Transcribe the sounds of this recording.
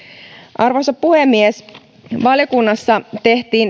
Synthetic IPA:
ʔɑrʋosɑppuhemːies | ʋɑljokunːɑsːɑt̪e̞ht̪iːn

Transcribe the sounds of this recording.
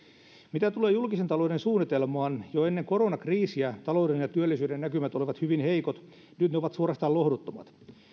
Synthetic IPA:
mit̪æt̪uleːjulkisent̪ɑloudensuːnːit̪elmɑːnjoenːeŋkoɾonɑkriːsiæt̪ɑlouwdenjɑt̪yølːisyːdennækymæt̪oliʋɑt̪hyʋinheikot̪ | nyt̪neoʋɑt̪suoɾɑst̪ɑːlohdut̪ːomɑ̰t̪

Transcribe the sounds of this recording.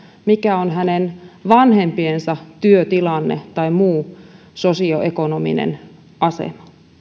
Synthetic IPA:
mikæonɦænenʋɑnhempiensɑt̪yøt̪ilɑnːet̪ɑimuː | sosioʔekonomḭnḛn | ʔɑsḛmɑ̥

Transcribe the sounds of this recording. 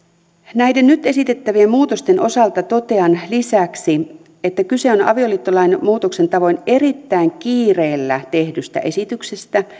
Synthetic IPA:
næjde̞nnyt̪e̞sit̪e̞t̪ːæʋiemmuːt̪o̞st̪e̞nʔo̞sɑlt̪ɑt̪o̞t̪e̞ɑnlisæksi | et̪ːækyse̞onɑ̰ʋio̞liːt̪ːolɑjnmuːt̪okse̞nt̪ɑʋo̞jne̞ɾit̪ːæiŋkiːre̞ːlːæt̪e̞hdyst̪æ̰ʔesit̪yksest̪æ

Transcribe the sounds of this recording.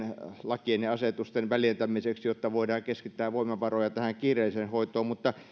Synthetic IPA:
nlɑkienjɑɑset̪ust̪enʋæljent̪æmiseksjot̪ːɑʋoidɑːŋkeskit̪ːæːʋʋoˑimˑɑʋɑrojɑt̪æhæŋkiːrˑeˑisenhoˑit̪oːmmut̪ːɑ

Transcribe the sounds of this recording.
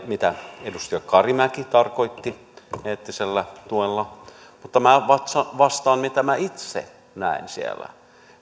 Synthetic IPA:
mit̪æedust̪iɑkɑrimækit̪ɑrkoit̪ːi | heːt̪ːiselːæt̪uelːɑ | mut̪ːɑmæʋɑt̪sɑʋɑst̪ɑːnmit̪æmæit̪sḛ | næ̰insḭḛlæ̰

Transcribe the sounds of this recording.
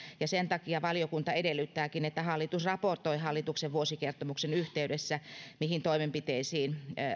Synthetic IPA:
jɑsent̪ɑkiɑʋɑljokunt̪ɑedelːyt̪ːæːkinet̪ːæhɑlːit̪usrɑport̪oihɑlːit̪ukseʋʋuosikert̪omuksenyht̪eydesːæmihint̪oimempit̪eisiːn

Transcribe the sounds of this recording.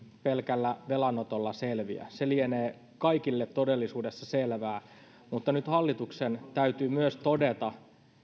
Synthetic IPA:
pelkælːæʋelɑnot̪olːɑselʋiæ̰selieneː | kɑikilːet̪ːodelːisuːdesːɑselʋæː | mut̪ːɑnyt̪hɑlːit̪uksent̪æyt̪yːmyøst̪odet̪ɑ

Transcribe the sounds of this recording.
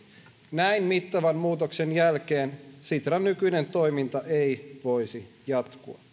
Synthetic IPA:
næinmit̪ːɑʋænmuːt̪oksenjælk̟eːnsit̪rɑnːykyjne̞nt̪o̞jmint̪ɑʔejʋo̞isi | jɑt̪kuɑ

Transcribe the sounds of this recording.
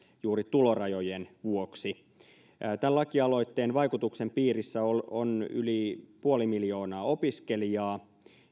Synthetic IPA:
juːɾit̪ulo̞rɑjojenʋuoksi | t̪ællɑkiɑlo̞jt̪ːeːnʋɑjkut̪uksempiːrisːæolony̰lipuolimiljo̞ːnɑːo̞piskelijɑː

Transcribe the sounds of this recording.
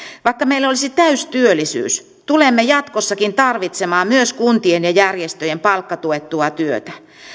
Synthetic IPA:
ʋɑikːɑmeilːolisit̪æyst̪yølːˑisy̰ːs | t̪ulemːejɑt̪kosːɑkint̪ɑrʋit̪semɑːmyøskunt̪ienjɑjærjest̪øjempɑlkːɑt̪uet̪ːuɑt̪yøt̪æ̥

